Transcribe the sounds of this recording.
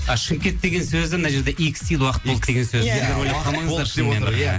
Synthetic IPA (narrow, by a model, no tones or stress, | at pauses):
ɑʃəmkʲet̪ːe̞ɡʲe̞nsɵzɪmɪnɑʒe̞ɾd̪eʔikst̪ijd̪wɑqət̪̚od̪əd̪e̞ɡʲensøzeɾd̪ʲeɾwojlˠɑq̪ɑmɑŋzɑɾʃeæ